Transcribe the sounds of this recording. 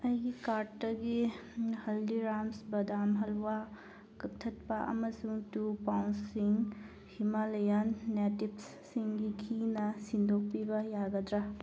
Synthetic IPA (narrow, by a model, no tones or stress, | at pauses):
ɐjɡikaɾtːɐɡihɐldiɾamsbɐdamɦɐlwa | kɐk̚tʰɐt̚pɐʔɐ̰mɐsuŋtupawnsiŋ | himalɐjɐnːetipsːiŋɡikʰinɐsindʱok̚pibɐjaɡɐdɾa